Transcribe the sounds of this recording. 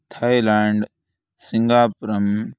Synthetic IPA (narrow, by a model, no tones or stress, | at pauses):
t̪ʰaːilaːɳɖ | siŋɡaːpɾɐm